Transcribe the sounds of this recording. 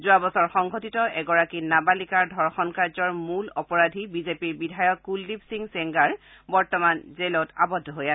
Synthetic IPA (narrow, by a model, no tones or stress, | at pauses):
zuabɔsɔɹxɔŋɡʱotitɔʔɛɡɔɹakinabalikaɹdʱɔɹxɔnkaɹzɔɹmulɔpɔɹadʱibizepiɹbidʱajɔkːulːibsiŋsɛŋɡaɹ | bɔɹtɔmanzelɔta̰bɔdʱːɔɦoja